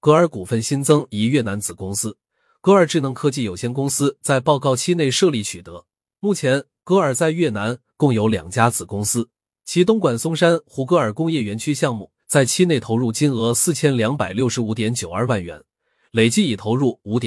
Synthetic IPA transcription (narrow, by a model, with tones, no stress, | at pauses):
kɤ˧˥ə˞˧˥ku˨˩fə˥˩nɕi˥nt͡sɤ˥ŋi˧˥ɥɛ˥˩na˧˥nt͡sɹ̩˨˩kʊ˥ŋsɹ̩˥ | kɤ˧˥ə˞˨˩ʈ͡ʂɻ̩˥˩nɤ˧˥ŋkʰɤ˥t͡ɕi˥˩jo˨˩ʊɕjɛ˥nkʊ˥ŋsɹ̩˥t͡sa˥˧ɪpɑ˥˧ʊkɑ˥˧ʊt͡ɕʰi˥ne˥˧ɪʂɤ˥˧li˥˩t͡ɕʰy˨˩t̪ɤ˧˥ | mu˥˩t͡ɕʰjɛ˧˥n | kɤ˧˥ə˞˨˩t͡sa˥˧ɪɥɛ˥˩na˧˥n | kʊ˥˩ŋjo˧˥ʊljɑ̰˨˩ŋt͡ɕja˥t͡sɹ̩˨˩kʊ˥ŋsɹ̩˥ | t͡ɕʰi˧˥t̪ʊ˥ŋkwa˨˩nsʊ˥ŋʂa˥nxu˧˥kɤ˧˥ə˞˨˩kʊ˥ŋjɛ˥˩ɥɛ˧˥nt͡ɕʰy˥ɕjɑ˥˧ŋmu˥˩ | t͡sa˥˩ɪt͡ɕʰi˥ne˥˩ɪt̪ʰo˧˥ʊɻu˥˩t͡ɕi˥nɤ˧˥sɹ̩˥˩t͡ɕʰjɛ˥nljɑ˧˥ŋpa˨˩ɪljo˥ʊʂɻ̩˧˥u˧˥t̪jɛ˧˥nt͡ɕjo˨˩ʊə˞˥˧wa˥˩nɥɛ̰˧˥n | le˨˩ɪt͡ɕi˥˩i˨˩t̪ʰo˧˥ʊɻu˥˩u˧˥t̪jɛ˨˦